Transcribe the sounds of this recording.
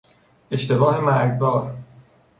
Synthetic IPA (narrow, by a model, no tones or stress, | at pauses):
e̞t͡ʃt̪e̞bɒːhemæɾɡbɒːɾ